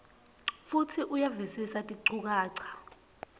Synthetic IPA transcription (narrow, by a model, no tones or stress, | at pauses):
futʰiʔujavisisatʼiǀuk̬aːǀʰḁ